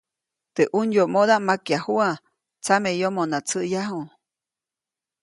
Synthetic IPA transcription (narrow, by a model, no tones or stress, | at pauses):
t̪eʔuɲjoʔmod̪aʔmakjahua | t͡samejomonat͡səʔjaɦu